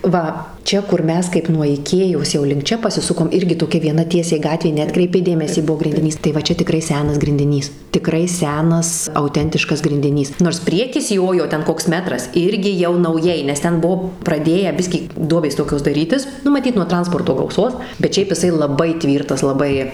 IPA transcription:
ˈʋɐ ˈt͡ʃʲɛ kʊr ˈmʲɛs kɐɪp nuɔ ɪˈkʲeːjoːs jɛʊ lʲɪŋk ˈt͡ʃʲɛ pɐsʲɪˈsʊkoːm ˈɪrʲɡʲɪ toːˈkʲɛ ʋʲiɛˈnɐ ˈtʲiɛsʲɛɪ ˈɡɑːtʲʋʲeː nʲɛˈɑːtkrʲɛɪpʲɛɪ ˈdʲeːmʲɛsʲiː ˈbuɔ ɡrʲɪnʲdʲɪˈnʲiːs tɐɪ ʋɐ ˈt͡ʃʲɛ tʲɪˈkrɐɪ ˈsʲæːnɐs ɡrʲɪnʲdʲɪˈnʲiːs tʲɪˈkrɐɪ ˈsʲæːnɐs ɐʊˈtʲɛnʲtʲɪʃkɐs ɡrʲɪnʲdʲɪˈnʲiːs noːrs ˈpʲrʲiɛkʲɪs ˈjoːjoː ˈtʲɛn ˈkoːks ˈmʲæːtrɐs ˈɪrʲɡʲɪ jɛʊ nɐʊˈjɛɪ nʲɛs ˈtʲɛn ˈbuɔ prɐˈdʲeːjæː ˈbʲɪsʲkʲiː ˈduɔbʲeːs ˈtoːkʲoːs dɐˈrʲiːtʲɪs ˈnʊ mɐˈtʲiːt nuɔ ˈtrɐnspoːrtoː ɡɐʊˈsoːs bʲɛt ˈʃʲɛɪp jɪˈsɐɪ lˠɐˈbɐɪ ˈtʲʋʲiːrtɐs lˠɐˈbɐɪ

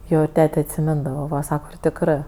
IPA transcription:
ˈjoː ɪr ˈtʲæːtʲɛ ɐtʲsʲɪˈmʲɪndɐʋɐ ˈʋɐ ˈsɑːkɐ ɪr tʲɪkˈrɜ

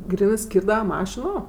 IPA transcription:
ˈɡrʲiːnɜˈsʲkʲiːrdɐʋɐ ˈmɑːʃʲɪnoː

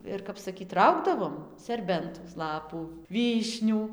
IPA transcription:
ˈɪr kɐp sɐˈkʲiːt ˈrɐʊɡdɐʋoːm sʲɛrʲˈbʲɛntoːs ˈlˠɑːpuː ˈʋʲiːʃʲnʲuː

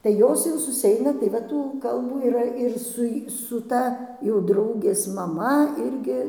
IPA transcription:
tɐɪ ˈjoːs jɛʊ sʊsʲɪˈɛɪnɐ tɐɪ ˈʋɐ tuː ˈkɐlˠbuː iːˈrɐ ɪr ˈsʊ j sʊ ˈtɐ jɛʊ ˈdrɐʊɡʲeːs mɐˈmɐ ˈɪrʲɡʲɪ

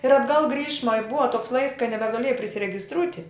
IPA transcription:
ɪr ɐdˈɡɐlˠ ˈɡrʲiːʃmɐ ɪ ˈbʊʋɐ toːks lˠɐɪks kɐɪ nʲɛbʲɛˈɡɑːlʲeːjɛ pʲrʲɪsʲɪrʲɛɡʲɪsˈtruːtʲɪ

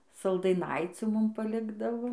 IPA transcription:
sɐlˠdɐɪˈnɐɪt͡sʲuː ˈmʊm pɐˈlʲɪɡdɐʋoː

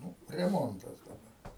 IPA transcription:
ˈnʊ rʲɛˈmoːntɐs dɐˈbɐ

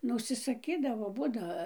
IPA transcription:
ˈnʊ ʊʃʲsʲɪsɐˈkʲiːdɐʋoː ˈbuːdɐ

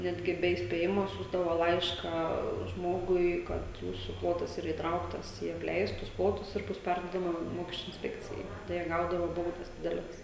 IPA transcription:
ˈnʲæːdʲɡʲɪ ˈbʲɛ iːsʲpʲeːˈjɪmoː ˈsʲuːzdɐʋoː ˈlˠɐɪʃkɑː ˈʒmoːɡʊɪ ˈkɐt ˈjuːsʊ ˈplˠoːtɐs iːˈrɐ iːtˈrɐʊktɐs iː ɐpʲˈlʲɛɪstʊs ˈplˠoːtʊs ɪr ˈbʊs ˈpʲɛrduɔdɐmɐ ˈmoːkʲɛsʲt͡ʃʲʊ ɪnʲsʲˈpʲæːkt͡sʲɪjɛɪ ˈtɐɪ jiɛ ˈɡɐʊdɐʋɐ ˈbɐʊdɐs ˈdʲɪdʲɛlʲɛs

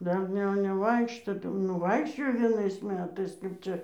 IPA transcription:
ˈdɐr nʲɛ nʲɛˈʋɐɪkʃtoː tɐɪ jɛʊ ˈnʊ ˈʋɐɪkʃʲt͡ʃʲoːjoː ʋʲiɛˈnɐɪs ˈmʲæːtɐɪs kɐɪp ˈt͡ʃʲɛ

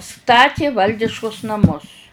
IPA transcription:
ˈstɑːtʲɪ ˈʋɐlʲdʲɪʃkʊs nɐˈmʊs

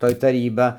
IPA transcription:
ˈtoːj tɐˈrʲiːbɐ

